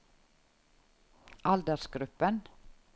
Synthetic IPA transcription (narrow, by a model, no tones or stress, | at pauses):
ʔɑld̪əsɡɾʉpən